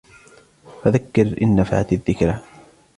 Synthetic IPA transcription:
faðakːɪɾʔɪ̰nːafa̰ʕat̪aðːɪkɾa

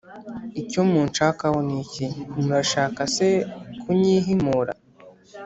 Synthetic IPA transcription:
icomuːnt͡ʃaːkawonicimuɾaʃaːkasekʰuɲiɦimuɾa̰

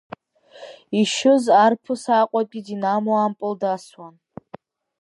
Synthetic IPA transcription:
iʃʊzarpʰɨsaqʷʼakʲʼidinamoampʼɨldaswan

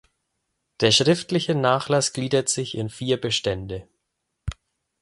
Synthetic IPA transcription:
d̥eːɐʃʁ̥ɪftlɪçənaːχlasɡ̥liːdɐtz̥ɪçɪnfiːɐbəʃtɛndə

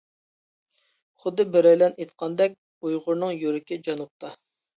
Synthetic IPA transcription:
χʊd̪ɨbɪɾɛjlɛnet̪qʰɑnd̪ɛk̚ʲ | ujʁʊɾnɨŋjøɾɪkʲɪd͡ʒɑnup̚t̪ʰɑ

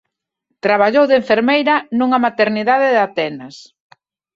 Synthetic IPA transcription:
t̪ɾaβ̞aʎowðeɱfeɾmejɾɐnuŋɐmat̪eɾniðaðɪðat̪ɛnɐs

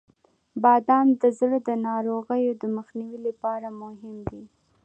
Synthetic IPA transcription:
bɑd̪ɑmd̪əzɽəd̪ənɑɾoɣəjod̪əməxniwilapɑɾamʊɦɪmd̪i

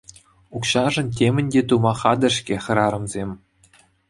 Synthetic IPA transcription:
ukɕɑʐɤ̆ntʲemʲɘ̆nʲdʲet̪umɑχɑd̪ɤ̆ʂkʲeχʲɤ̆ɾɑɾɤ̆mzʲemʲ

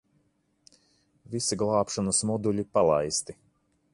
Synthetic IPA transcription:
visiɡlˠɑːpʃɔnɐsmɔd̪uʎʲipalˠa̰jst̪i

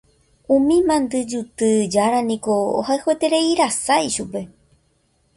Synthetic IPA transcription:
ũmĩmãnd̪ɨd͡ʒut̪ɨd͡ʒaɾanĩko̞o̰haehwet̪e̞ɾe̞iɾasajʃupe̞

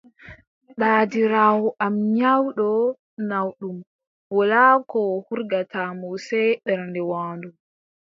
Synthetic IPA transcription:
ɗaːdiɾaːwɔʔamɲawɗɔ | nawɗum | bɔlakɔhuɾɡatamɔsɛɗɛɾndɛwaːndum

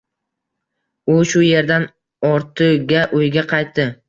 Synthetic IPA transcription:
ʊʃʊje̞ɾd̪an | ɒɾt̪ʰɨɡʲaʔʊjɡʲaqʰɑjt̪ːɪ

